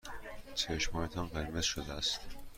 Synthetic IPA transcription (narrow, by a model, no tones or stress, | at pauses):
t͡ʃʰeʃmɒːjet̪ʰɒnɢe̞ɾmez̥ʃod̪eæst̪